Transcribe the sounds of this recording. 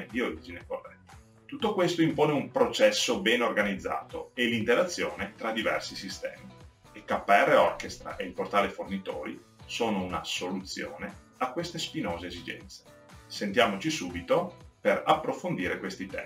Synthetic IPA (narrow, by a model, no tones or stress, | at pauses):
ed̪ioɾid͡ʒineko̰rːɛt̪ː | t̪ut̪ːokwest̪oimpoːneumpɾot͡ʃɛsːobɛnorɡanid̪zːa̰ːt̪o̰elint̪elat̪sːjo̰ːnet̪ɾad̪ivɛrsisist̪ɛ̰ːmi | ekːapːɛrːeɔrkest̪ɾa̰ʔeilport̪aːlefornit̪o̰ːɾḭ | soːnouna̰solut̪sːjo̰ːne | akːwest̪espinoːzeezid͡ʒɛ̰nt̪se̥ | sent̪jaːmot͡ʃisuːbit̪operapːɾofond̪iːɾekwest̪it̪ɛ̰